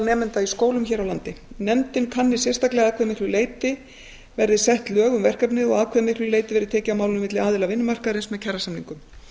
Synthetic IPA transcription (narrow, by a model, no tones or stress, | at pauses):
lnɛːmɪnt̪aiskoːwlʏmçɛːɾawlant̪ɪnɛmt̪ɪnkʰanːɪ̥sjɛrst̪aklɛɣaːkʰvɛːmɪhk̪lʏleːjt̪ɪ | vɛɾðɪsɛht̪lœːɣʏmvɛr̥kapnɪðɔɣaːðkʰvɛmɪhk̪lʏleːjt̪ɪvɛɾðʏt̪ʰɛːcɪaawmaːwlʏnmɪt̪lɪaːðɪlavɪnːʏmar̥kaðɾɪnsmɛðcʰɛrːasamniŋkʏm